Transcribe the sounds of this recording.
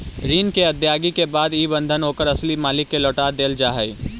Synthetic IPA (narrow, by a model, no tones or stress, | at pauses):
ɾiːnkeɐd̪jaːɡikebaːd̪iːbə̃nd̪ʱənɦoːkəɾɐslimaːlɪkːelɔːʈaːd̪eːld͡ʒaːɦəiː